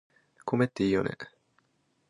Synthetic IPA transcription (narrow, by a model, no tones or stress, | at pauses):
kumet̪ːijonḛ